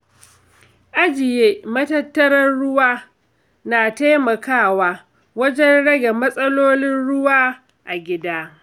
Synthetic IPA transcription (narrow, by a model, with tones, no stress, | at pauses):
ʔa˦d͡ʒɪ˨jeː˦mɐ˦tɐ˦tːɐ˦ɾɐ˦nɽʊ˦waː˦ | naː˨ta˦jmɐ˨kaː˦˨waː˦ | wɐ˦d͡ʒɛ˦nɽɐ˦ɡa˨mɐ˦sʼɐ˦loː˦nɪ˦nɽʊ˦waː˦ | ʔa˨ɡʲɪ˦daː˦